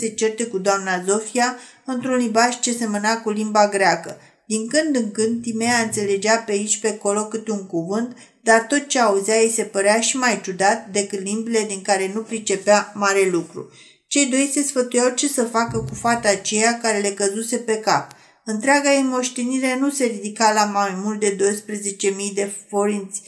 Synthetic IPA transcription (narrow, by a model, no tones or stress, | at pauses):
se̞t͡ʃe̞rt̪e̞kud̪oamnazo̞fia | ɨnt̪ɾunlibaʒt͡ʃe̞se̞mənakulimbaɡɾeakə | d̪̥iŋkɨnd̪ɨŋkɨnd̪t̪imeaɨnt̪se̞le̞d͡ʒapeait͡ʃʲpeko̞lo̞kɨt̪euŋkuvɨnt̪ | d̪art̪o̞t̪̚t͡ʃe̞auzajejse̞pəɾeaʃimajt͡ʃud̪at̪̚d̪e̞kɨt̪limbile̞d̪iŋkaɾe̞nupɾit͡ʃe̞peamaɾe̞lukɾṵ | t͡ʃe̞jd̪o̞jse̞sfət̪ujawt͡ʃe̞səfakəkufat̪at͡ʃe̞jakaɾe̞le̞kəzuse̞pe̞kap̚ | ɨnt̪ɾeaɡaimo̞ʃt̪eniɾe̞nuse̞ɾid̪ikalamajmult̪̚d̪e̞d̪o̞jspɾeze̞t͡ʃe̞mijd̪e̞fo̞ɾint̪sʲ